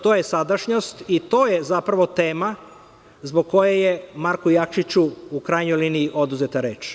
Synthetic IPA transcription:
t̪oːjesad̪aʃɲo̞st̪it̪o̞ːjezapɾaʋo̞t̪e̞ːma | zboɡ̚kːo̞jaje̞maɾkujakʃit͡ɕuukɾajɲojliːniiʔo̞d̪uzet̪aɾe̞ːt͡ʃ

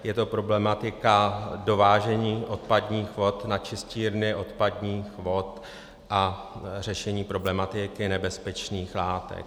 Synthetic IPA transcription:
jɛt̪o̞pɾo̞blɛmat̪ɪkado̞vaːʒɛɲiːʔo̞t̪̚padɲiːxvo̞t̪nat͡ʃɪsciːɾnɪʔo̞t̪padɲiːxvo̞t̪ | ʔa | r̝ɛʃɛɲiːpɾo̞blɛmat̪ɪkɪnɛbɛspɛt͡ʃniːxlaːt̪ɛ̰k̚

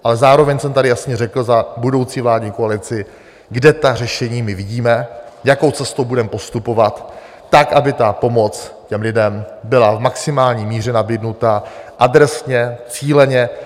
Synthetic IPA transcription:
ʔalɛzaːɾo̞vɛɲsɛmt̪adɪjasɲɛrɛkl̩zabudo̞wt͡siːvlaːdɲiːkoalɪt͡sɪ | ɡdɛt̪ar̝ɛʃɛɲiːmɪvɪɟiːmɛjako̞wt͡sɛst̪owbudɛmɛpo̞st̪upo̞vat̪ː | akʔabɪt̪apo̞mo̞t͡scɛmlɪdɛmbɪlavmaksɪmaːlɲiːmiːr̝ɛnabidnut̪aʔad̪ɾɛsɲɛt͡siːlɛɲɛ

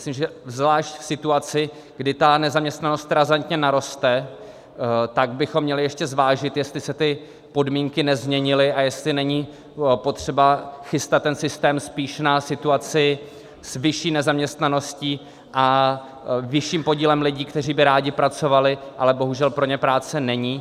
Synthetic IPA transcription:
simʒɛvzvlaːʃcsɪt̪uat͡sɪ | ɡ̥dɪt̪anɛzamɲɛst̪nano̞st̪ɾazant̪ɲɛnaɾo̞st̪ɛ | t̪aɡ̚bɪxomːɲɛlɪjɛʃcɛzvaːʒɪt̪jɛst̪lɪsɛt̪ɪ | po̞dmiːŋkɪnɛzmɲɛɲɪlɪʔajɛst̪lɪnɛɲiː | po̞t̪r̝̥ɛbaxɪst̪at̪ːɛnsɪst̪ɛːmspiːʃnasɪt̪uat͡sɪ | svɪʃiːnɛzamɲɛst̪nano̞sciː | ʔa | vɪʃiːmpo̞ɟiːlɛmlɪɟiːkt̪ɛr̝iːbɪɾaːɟɪpɾat͡so̞valɪʔalɛbo̞ɦuʒɛlpɾo̞ɲɛpɾaːt͡sɛnɛɲiː

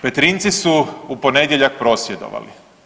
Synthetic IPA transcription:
pet̪ɾint̪sisuupo̞ned̪jeʎak̚pɾo̞sjed̪o̞̰ʋa̰lḭ

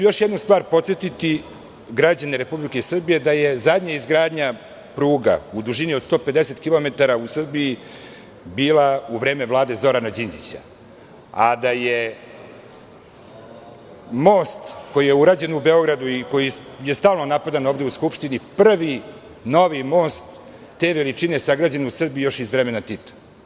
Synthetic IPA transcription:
ujo̞ʃjed̪nust̪vaːɾpo̞t̪sjet̪it̪i | ɡɾad͡ʑaneɾe̞publikesr̩bije̞d̪aje̞zad̪ɲaizɡɾaːd̪ɲa | pɾuːɡa̰ud̪uʒiniod̪st̪oːpe̞d̪ese̞t̪kilo̞me̞t̪aɾausr̩biji | biːlˠauvɾe̞ːme̞vlˠaːd̪e̞zo̞ɾanad͡ʑind̪it͡ɕa̰ | ad̪aje | mo̞ːst̪ko̞jijeuɾaːd͡ʑe̞nubeo̞ɡɾad̪uiko̞ji | je̞st̪aːlˠno̞napad̪ano̞ːvd̪e̞uskupʃt̪inipr̩ʋi | no̞ʋimo̞ːst̪ː | e̞ʋelit͡ʃinesaɡɾaːd͡ʑe̞nusr̩bijo̞ʃizvɾeme̞nat̪it̪ḁ

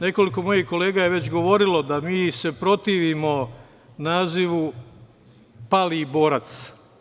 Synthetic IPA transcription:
ne̞ko̞liko̞mo̞jihko̞le̞ːɡajeʋe̞t͡ɕɡo̞ʋo̞ɾilo̞d̪amiːse̞pɾo̞t̪iːʋimo̞ | naːziʋu | palibo̞ːɾat̪s

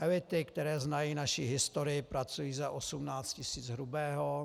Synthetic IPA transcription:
ʔɛlɪt̪ɪkt̪ɛɾɛːznajiːnaʃiɦɪst̪oɾɪɪpɾat͡sujiːzɛʔosumnaːt͡scɪsiːd͡zɦɾubɛːɦo

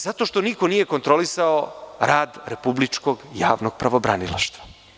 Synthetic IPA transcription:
z̥at̪o̞ʃt̪o̞niko̞nije̞ko̞nt̪ɾo̞lisaoɾʔaːd̪ɾepublit͡ʃko̞ɡjaːʋnoɡ̥̚pɾaʋo̞bɾanila̰ʃt̪ʋḁ

